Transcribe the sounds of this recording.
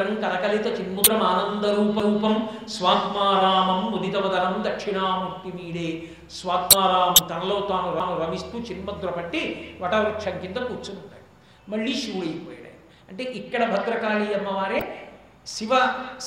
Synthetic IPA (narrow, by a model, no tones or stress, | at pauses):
ɐŋkɐlɐkɐlit̪ɐt͡ʃinmud̪ɾɐmaːnɐnd̪ɐɾuːpɐɾuːpɐmsʋaːt̪maːɾaːɦɐmːud̪it̪ɐʋɐd̪ɐnɐmd̪ɐkʂiɳaːmuɾt̪imiːɽeː | sʋaːt̪maːɾaːɦɐmt̪ɐnɐlo̞ːt̪aːnuɾaːnuɾɐmist̪uːt͡ʃinmɐd̪ɾɐpɐʈːiʋɐʈɐʋɐɾiʈt͡ʃʰɐŋkind̪ɐpuːɾt͡ʃunuɳʈa̰ːju | mɐɭːiːʃuːɽɐjpoːjɐɽɐ̰ː | ɐɳʈeːʔikːɐɽɐbʱɐd̪ɾɐkaːliːjɐmːɐʋaːɾeː | siʋɐ